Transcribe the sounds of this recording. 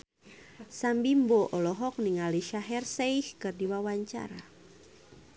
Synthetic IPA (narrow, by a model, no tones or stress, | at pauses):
sambimboʔɔlɔɦɔk̚niŋaliʃaɦɛrseihkɨrdiwawaɲt͡ʃa̰ɾa